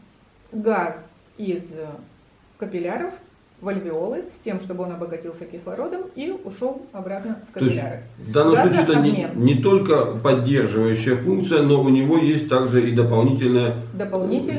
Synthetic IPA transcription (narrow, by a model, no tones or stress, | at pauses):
ɡaz | iz | kəpʲɪlʲaɾəf | vəlʲvʲɪo̞lˠɨsʲtʲe̞mʂt̪o̞bɨo̞nɐbəɡɐtʲilˠsʲəkʲɪslˠɐɾo̞d̪əmiʊʂo̞lˠɐbɾat̪nəfkəp̪osɪaɾɨ̰vd̪anːəmsˠut͡ɕɪɛt̪əmʲennʲɪt̪o̞lʲkəpɐdʲːe̞rʐɨvəjʉɕːɪjəfunk̚t̪sɨjəno̞ʊnʲɪvojesʲtʲt̪aɡʐɨid̪əpɐlˠnʲitʲɪlʲnəjə | d̪əpɐlˠnʲitʲɪ